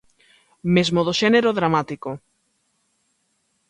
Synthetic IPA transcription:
mezmoðoʃeneɾoðɾamat̪iko

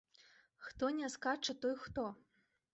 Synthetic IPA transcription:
xt̪ɔnʲɛskat͡ʂɐt̪ɔjxt̪ɔ

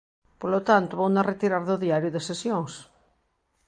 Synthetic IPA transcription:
polot̪ant̪ʊβownaret̪iɾaɾðʊðiaɾjʊðesesjõŋs

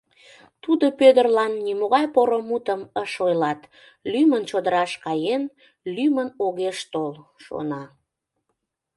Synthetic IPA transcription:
t̪ud̪opød̪ərlɑnːimoɣɑjpoɾomut̪əməʃojlɑt̪ | lymənt͡ɕod̪əɾɑʃkɑjen | lymənoɣeʃt̪olʃo̰nɑ

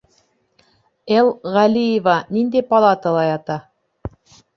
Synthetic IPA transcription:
elˠʁælʲijevɑnind̪æjpɑlˠɑt̪ɤlˠɑjɑt̪ɑ

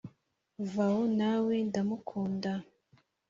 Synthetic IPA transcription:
vahonawe̞ndamukʰuːnda

